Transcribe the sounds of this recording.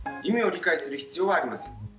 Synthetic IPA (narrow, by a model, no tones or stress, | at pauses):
imeo̞ɾʲikaisɨɾɯ̟çi̥t͡sɨjo̞ːβaːɾʲimasẽ̞ŋ